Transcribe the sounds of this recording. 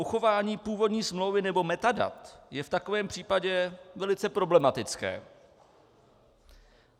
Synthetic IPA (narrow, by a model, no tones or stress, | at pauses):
ʔuxo̞vaːɲiːpuːvo̞dɲiːsmlo̞wvɪnɛbo̞mɛt̪ada̰t̪jɛft̪ako̞vɛːmpr̝̥iːpaɟɛvɛlɪt͡sɛpɾo̞blɛmat̪ɪt͡skɛ̰ː